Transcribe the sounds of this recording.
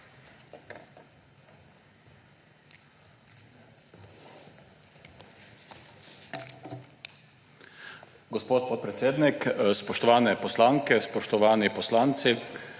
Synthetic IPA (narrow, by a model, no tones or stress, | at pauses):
ɡɔspoːt̪̚pɔt̪̚pɾɛt̪seːd̪nikspɔʃt̪ɔʋaːnɛpɔslaːŋkɛspɔʃt̪ɔʋaːnipɔslaːnt̪si